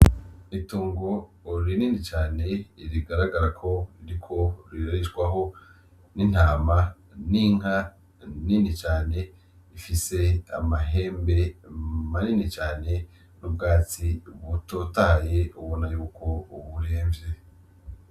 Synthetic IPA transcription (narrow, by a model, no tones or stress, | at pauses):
ituːŋɡoɾininit͡ʃaːne̞iɾiɡaɾaɡaɾakʰo̞ɾiɾikʰo̞ɾiɾaɾit͡ʃɡwaɦo̞ | nin̥haːma | niŋ̥a | ninit͡ʃaːne̞ | ifise̞a̰maɦe̞ːmbe̞maninit͡ʃaːne̞ | nub̚ɡaːt͡siβutotaːjeuβonajuːkʰo̞uβuɾeːɱvje